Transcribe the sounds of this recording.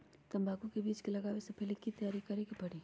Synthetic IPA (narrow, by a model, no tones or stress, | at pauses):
t̪ɐ̃mbʱaːɡũkebiːt͡ʃkilɐɡaːwesepʰeːlekit̪ɐjaːɾikɐɾekebɐɽiː